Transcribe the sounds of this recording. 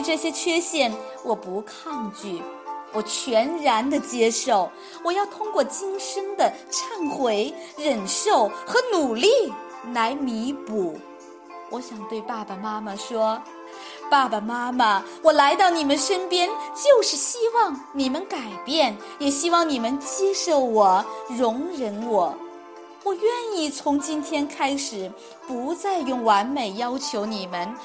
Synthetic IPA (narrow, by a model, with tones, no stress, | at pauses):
ʈ͡ʂɤ˥˩ɕjɛ˥t͡ɕʰɥɛ˥ɕjɛ˥˩n | wʔɔ˨˩pu˧˥kʰɑ˥˧ŋt͡ɕy˥˩wɔ˨˩t͡ɕʰɥɛ˧˥nɻa˧˥nd̪ə˨t͡ɕjɛ˥ʂo˥˩ʊ | wɔ˨˩jɑ˥˩ʊt̪ʰʊ˥ŋkwɔ˥˩t͡ɕi˥nʂɤ˥ŋd̪ə˨ʈ͡ʂʰa˥˩nxwe˧˥ɪɻə˨˩nʂo˥˩ʊxɤ˧˥nu˨˩li˥˩ | la˧˥ɪmi˧˥pu˨˩˦ | wɔ˧˥ɕjɑ˨˩ŋt̪we˥˧ɪpa˥˩ba˩ma˥mə˨ʂwɔ˥ | pa˥˩ba˨˩ma˥ma˨wɔ˨˩la˧˥ɪt̪ɑ˥˩ʊni˨˩mə˦nʂə˥npjɛ˥nt͡ɕjo˥˧ʊʂɻ̩˥˩ɕi˥wɑ˥˩ŋ | ni˨˩mə˧˦nka˨˩ɪpjɛ˥˩n | jɛ˨˩ɕi˥wɑ˥˩ŋni˨˩mə˦nt͡ɕjɛ˥˧ʂo˥˩ʊwɔ˨˩˦ɻʊ˧˥ŋɻə˧˥nwɔ˨˩˦ | wɔ˨˩ɥɛ˥˧ni˥˩t͡sʰʊ˧˥ŋt͡ɕi˥nt̪ʰjɛ˥nkʰa˥ɪʂɻ̩˨˩˦ | pu˧˥t͡sa˥˧ɪjʊ˥˩ŋwa˧˥nme˨˩ɪjɑ˥ʊt͡ɕʰjo˧˥ʊni˨˩mə˦n